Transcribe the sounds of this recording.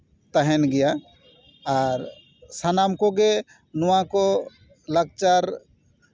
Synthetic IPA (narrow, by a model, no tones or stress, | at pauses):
t̪əɦɛnɡɪjaː | ɾ | sanamkɔɡe | nʊwãkɔ | ləɡ̚t͡ʃaɾ